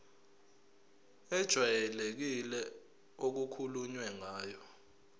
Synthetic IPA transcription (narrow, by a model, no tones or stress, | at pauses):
ɛd̥ʒ̥ʱwajɛlek̬ilɛ | ok̬ukʰuluɲwɛŋaːjɔ